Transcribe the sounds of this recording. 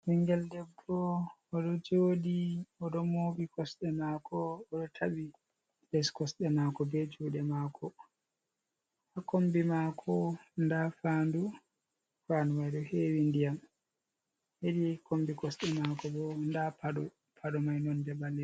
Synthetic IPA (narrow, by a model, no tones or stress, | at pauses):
wiŋɡɛldɛbːɔː | ɗɔd͡ʒoːdiɔɗɔmobikɔsɗɛmakʰɔːɗɔtʰabi | lɛskɔsɗɛmakɔbɛd͡ʒuɗɛmakʰɔ | hakombimakʰɔndafaːndu | fanumajɗɔheːwindijam | hedikombikɔsɗɛmakɔbɔndapaɗɔ | pʰaɗɔmajnɔndɛbalɛ